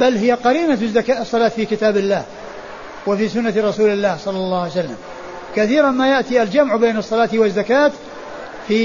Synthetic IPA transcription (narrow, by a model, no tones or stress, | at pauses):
balɦɪjːaqɑɾiːnazːakaʔsˤːɑlaːt̪fiːkɪt̪aːbɪlːaːh | wafiːsʊnːat̪ɾˤɑsuːlɪlːaːhsˤɑlːɑlˤːɑːhsalːa̰m | kaθiːɾnmaːjaʔt̪iːʔald͡ʒamʕbeːnɑsˤːɑlaːt̪wɪzːakaːt̪ | fiː